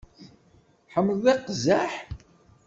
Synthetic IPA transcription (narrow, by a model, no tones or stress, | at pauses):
ħəmːəlðˤeqːzæħ